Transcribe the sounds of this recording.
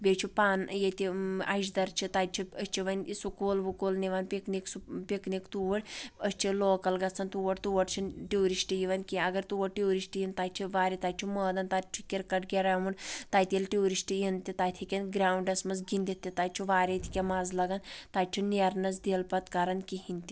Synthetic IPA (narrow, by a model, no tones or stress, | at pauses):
bʲet͡ʃʰipaːnjet̪ʲiɐ̰ʃ̬d̪ɐɾt͡ʃʰit̪at͡ʃʰiəsʲt͡ʃʰiʋɐnʲisukoːlʋukoːlniʋɐnpikniksupiknikt̪uʋɐɽəsʲt͡ʃʰiloːkɐlɡɐt͡sʰːɐnt̪uʋɐɽʲt̪uːʋɐʈt͡ʃʰinʈioːɾisʈijiʋɐnkʲiɐɡɐɾt̪uʋɐɽʈioːɾisʈijint̪aːt͡ʃʰiʋaːɾit̪aːt͡ʃʰiməːd̪ɐnt̪at͡ʃʰi̥kʲiɾkɐʈɡʲeɾɐmunt̪aːt̪ʲelʈioːɾisʈijint̪it̪aːt̪ʰikʲɐnɡɾaːwɳɖɐsmɐzɡinʲd̪it̪ːit̪aːt͡ʃʰiʋaːɾʲet̪ʰʲi̥kʲemaːzlɐɡɐnt̪aːt͡ʃʰiniɾnɐzd̪eːlpɐt̪kaɾɐnkiɦinʲt̪i